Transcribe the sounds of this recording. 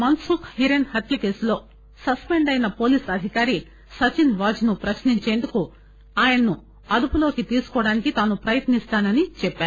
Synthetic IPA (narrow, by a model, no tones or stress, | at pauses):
mɐnsukhiɾenhɐt̪ʰjɐkeːslo̞ː | sɐspe̞ɳɖɐjnɐpo̞ːliːsɐd̪ʱikaːɾi | sɐt͡ʃinʋaːd͡ʒnupɾɐʃniɲt͡ʃe̞ːnd̪uku | aːjɐɳɐnu | ɐd̪upulo̞ːkit̪iːsu̥kɔːɐɽaːnikit̪aːnupɾɐjɐt̪nist̪aːnɐnit͡ʃɛpːaːɾu